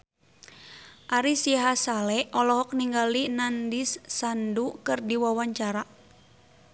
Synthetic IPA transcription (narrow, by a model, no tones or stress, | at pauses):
ʔaɾisiɦasalɛʔɔlɔɦɔk̚niŋɡalinandisːandukɨrdiwawaɲt͡ʃaɾa